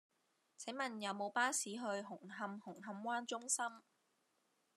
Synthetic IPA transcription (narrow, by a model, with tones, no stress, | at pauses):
t͡sʰe˨˥ŋmɐ˨njɐ˨˧wmo˨˧wpaː˥siː˨˥ɦɵ˧ɥɦʊ˨˩ŋɦɐ˧mhʊ˨˩ŋɦɐ˧mwaː˥nt͡sʊ˥ŋsɐ˥m